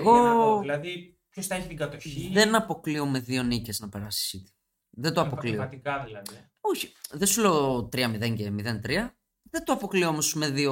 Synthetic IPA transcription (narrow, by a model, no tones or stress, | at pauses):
ɣo̞ilɐði | pçosθɐeçit̪iŋɡɐt̪oçiðenɐpo̞klio̞me̞ðio̞nice̞znɐpe̞ɾɐsi̥sit̪i̥ | ðed̪oɐpokliɐt̪ikɐðilɐði | oçi̥ðesuleot̪ɾiɐmiðe̞ɲɟemiðe̞nt̪ɾiɐ | ðend̪oɐpo̞kliomosme̞ðio